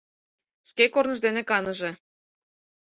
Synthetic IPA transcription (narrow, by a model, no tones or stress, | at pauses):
ʃkekornɤ̆ʒd̪enĕkɑnɤ̆ʒĕ